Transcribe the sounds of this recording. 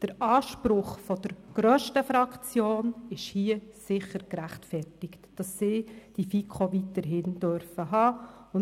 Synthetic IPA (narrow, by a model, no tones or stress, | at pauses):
d̥əɾʔɑːʃpɾʊχfɔd̥əɾɡ̥ɾœːʃtəfɾɑkt͡sjoːnɪʃhiːəsɪχəɾkɾæχtfɛrtɪktd̥ɑsːɪːd̥ifikʰχoʋitəɾɦɪnd̥øɾfəɦɑːʊn